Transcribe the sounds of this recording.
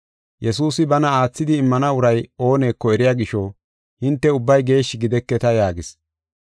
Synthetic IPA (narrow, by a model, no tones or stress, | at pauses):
jʔɛsuːsɪbɐnɐaːt͡sːɪd̪ɪːmːɐnɐʊɾɐjo̞ːne̞ːkːɔɛɾɪjaːɡɪʃɔ | hɪnt̪ːɛʊbːɐjɡe̞ːʃːɪɡɪd̪ɛkːɛt̪ɐjaːɡɪs